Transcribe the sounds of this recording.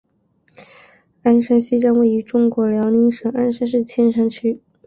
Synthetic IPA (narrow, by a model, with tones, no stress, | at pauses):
a˥nʂa˥nɕi˥ʈ͡ʂa˥ŋwe˥˩ɪy˧˥ʈ͡ʂʊ˥ŋkwɔ˧˥ljɑ˧˥ʊni˧˥nʂɤ˨˩ŋa˥nʂa˥nʂ̬ɻ̩˥˩t͡ɕʰjɛ˥nʂa˥ŋt͡ɕʰy˥